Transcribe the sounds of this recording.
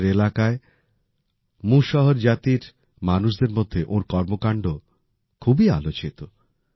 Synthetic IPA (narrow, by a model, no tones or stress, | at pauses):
ɾelakae | mũʃɔɦoɾd͡ʑat̪iɾ | manuʃ̬d̪eɾmod̪ʱːeʔõɾkɔɾmokaɳɖo | kʰubia̰lot͡ɕit̪o